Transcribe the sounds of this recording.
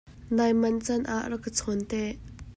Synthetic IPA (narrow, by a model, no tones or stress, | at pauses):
najmɐnt͡sɐnʔaʔrəkət͡sʰɔnt̪ɛʔ